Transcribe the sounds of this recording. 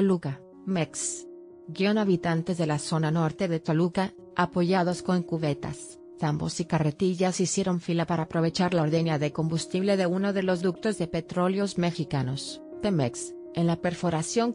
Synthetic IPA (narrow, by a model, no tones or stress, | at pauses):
oluka | meks | ɡjo̞naβit̪ant̪e̞zðe̞laso̞nano̞ɾt̪e̞ðet̪oluka | apo̞ʝað̞o̞sko̞ŋkuβe̞t̪a̰s | θambo̞̰sikare̞t̪iʝasisje̞ɾo̞ɱfilapaɾaːpɾo̞β̞e̞t͡ʃaɾlaoɾðenjaðeko̞mbust̪iβle̞ðe̞uno̞ðe̞lo̞zðuk̚t̪o̞zðe̞pe̞t̪ɾo̞ljo̞zme̞xikano̞s | pemeks | enlape̞ɾfo̞ɾasjo̞ŋ